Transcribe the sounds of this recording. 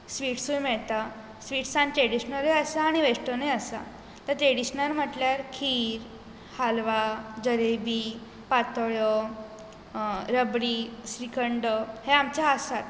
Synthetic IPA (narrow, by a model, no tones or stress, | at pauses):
sʋiːʈsũjmɛɭt̪a | sʋiːʈsãnt̪ɾeɽiɕnəleasaːɽ̃iʋeʂʈəneəsa̰ | t̪əɾt̪ɾeɽiɕnəɾm̤əʈljaɾkʰiːɾ | halʋad͡ʑəɾebi | pat̪ɔjɔ | ɾəbɽiːsɾikəɳɖəheamt͡ɕjaɦasat̪